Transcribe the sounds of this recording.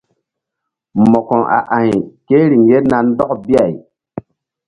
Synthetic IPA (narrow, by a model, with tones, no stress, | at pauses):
mɔ˨kɔ˨ʔa̰˨ʔa˨ke˦ɾi˨ŋje˦na˨n˦dɔ˦kbi˦a˨j